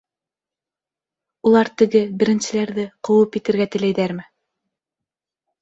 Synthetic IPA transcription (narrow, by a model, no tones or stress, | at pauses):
ulˠɑɾt̪ɘ̆ɡɘbɘ̆ɾɘ̆nsɘ̆læɾðɘqŏwɤpit̪ɘ̆ɾɡæt̪ɘ̆læjðæɾmɘ